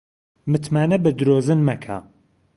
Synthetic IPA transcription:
mɨt̪maːnɐbɨd̪ɾoːzɨnmɐkʰa̰

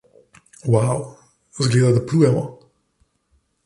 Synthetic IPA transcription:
waw | zɡleːd̪ad̪apluːjɛmɔ

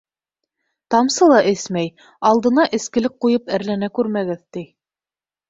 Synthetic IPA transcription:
t̪ɑmsɤlˠɑʔɘsmæj | ɑlˠd̪ɤ̆nɑʔɘ̆skɘ̆lɘk̚qujɤpæɾlænækʉɾmæɡɘðt̪i

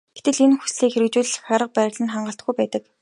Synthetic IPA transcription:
ɡ̥e̥t̪ɘ̆ɮenxu̥sɮiːkxeɾɘ̆k̚t͡ɕuːɮ̆χaɾə̆q̚pæːɾ̆ʲɮɘ̆nχaɴɢə̆ɬt̪ɡujpæːt̪ə̆k

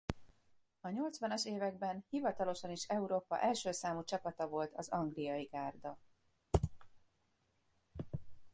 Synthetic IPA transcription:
ɒɲo̞lt̪sʋɒnɒʃeːvɛɡbɛnhivɒt̪ɒlo̞ʃɒniʃɛuɾoːpɒ̰ʔɛlʃøːsaːmut͡ʃɒpɒt̪ɒvo̞lt̪ɒzɒŋɡlijɒjiɡaːrd̪ɒ

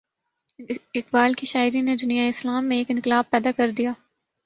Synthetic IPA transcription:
ɪqbaːlkiʃaːɪɾined̪ʊnijaeɪslaːmːẽeːkɪ̃nqɪlaːb̚pɛːd̪akɐɾd̪ijaː

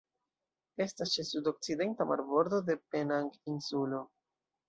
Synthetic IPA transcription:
e̞stast͡ʃesudo̞k̚t͡side̞ntama̰ɾbo̞ɾd̪o̞de̞pe̞naŋɡinsulo̞

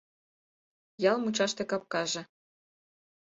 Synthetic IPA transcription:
jɑlˠmut͡ɕɑʃt̪ĕkɑp̚kɑʒĕ

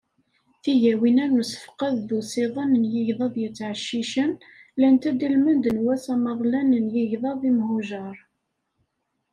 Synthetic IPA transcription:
θiʝæwinæɾnusə̥fqɑððusiðˤɑnənjəʝðˤɑðˤjət͡sːʕəʃːiʃən | lænt̪æd̪ilmənd̪ənwæsæməðˤlænənjəʝðˤɑðˤimhuʒɑɾˤ

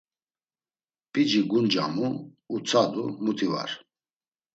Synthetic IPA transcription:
pʼid͡ʒiɡund͡ʒa̰muː | t͡sʰad̪umut̪ʰiva̰ɾ

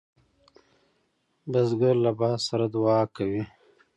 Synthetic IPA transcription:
bazɡaɾlabɑːsaɾad̪uwɑːkawi

